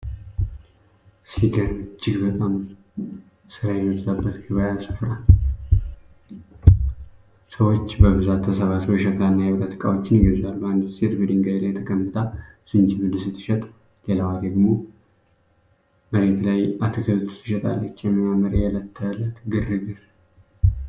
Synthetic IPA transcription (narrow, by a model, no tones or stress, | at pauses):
siɡət͡ʃːɪɡbət̪ʼam | sɨɾajɛmət̪ʼzabːət̪ɡɨβajasɨ̥fɾal | səwo̞t͡ʃːbəβɨzat̪ːəsəβasəwʃɛt̪ʼanːajɛwɾat̪ʰi̥kʼa̰wo̞t͡ʃːɪnjɡəβzalbəand̪set̪bəd̪iŋɡajelajt̪ʰəkʼəmːɨt̪ʰʼasɨnt͡ʃibɨd̪ɨsɨt̪ʰːɨ̥ʃɛt̪ʼ | lelawad̪əɡmo | məɾet̪lajat̪ʰɨkʰəlt̪ʰɨ̥t̪ʰːɨʃɛt̪ʼa̰lːət͡ʃːjɛmːimaməɾejalət̪ʰːəlːət̪ɡɨrːɨɡɨɾ